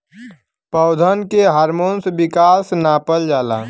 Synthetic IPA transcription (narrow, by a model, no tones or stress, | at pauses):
pəʊd̪ʱənkeɦaːɾmonsbikasnaːpəld͡ʒaːla̰